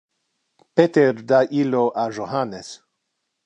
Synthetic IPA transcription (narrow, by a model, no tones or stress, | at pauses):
pet̪ɛɾd̪aʔiloʔaʒoɦanɛs